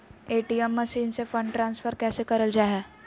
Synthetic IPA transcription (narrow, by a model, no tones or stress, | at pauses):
eːʈiːɛmːɐʃiːnsefə̃ɳɖʈɾãːnsfəɾkɛːsekɐɾəld͡ʒaːɦɛː